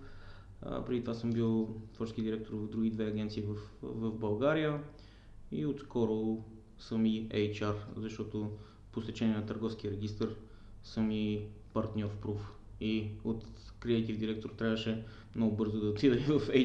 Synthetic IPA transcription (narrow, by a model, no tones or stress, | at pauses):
pɾɛd̪it̪ovasɤmbilˠt̪vɔɾt͡ʃɛskid̪ʲiɾɛk̚t̪oɾvəvd̪ɾuɡ̟id̪vɛɐɡʲɛnt̪siːvɐfvɐvbɐlˠɡaɾijə | iot̪skɔɾo | səmiɛjt͡ʃaɾzɐʃt̪ɔt̪o | post̪ɛt͡ʃɛniɛnɐt̪əɾɡɔfsk̟ʲiəɾɛɡ̟ist̪əɾ | sɤmi | pɐɾt̪nʲɔɾpɾuf | iot̪kɾiɛjt̪ivd̪iɾɛk̚t̪oɾt̪ɾʲavəʃɛ | mnɔɡʊbɤɾzod̪ɐot̪lid̪əivɐfɛ